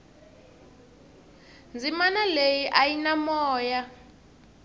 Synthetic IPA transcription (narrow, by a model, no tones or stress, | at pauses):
nd͡zimanalejiʔajinamɔːja